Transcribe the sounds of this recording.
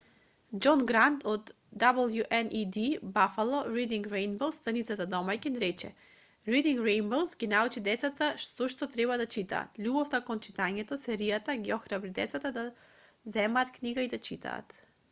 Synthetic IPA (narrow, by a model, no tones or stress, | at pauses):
d͡ʒɔnɡɾant̪ʰɔd̪ː | abəlˠjuʔɛnʔid̪ibafalˠɔɾid̪iŋkɾejnbowst̪anit̪sat̪ad̪ɔmajkinɾɛt͡ʃɛ̰ | ɾid̪iŋɡɾejnbowsɡʲinaut͡ʃid̪ɛt̪sat̪aʃt̪ɔʃt̪ɔt̪ɾɛbad̪at͡ʃit̪a̰ːt̪lʲubɔft̪akont͡ʃit̪aɲɛt̪ɔsɛɾijat̪aɡiɔxɾabɾid̪ɛ̰t̪sat̪ad̪a | zɛmaːt̪kniɡaid̪at͡ʃit̪ʰa̰ːt̪